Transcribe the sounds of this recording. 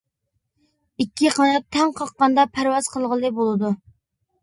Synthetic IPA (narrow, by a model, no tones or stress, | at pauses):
ikʲʰːiqɑnɑt̪ʰːɛŋqʰɑqːɑnd̪ɑpʰæɾwɑz̥qʰəlˠʁəlˠɨbolˠɨd̪u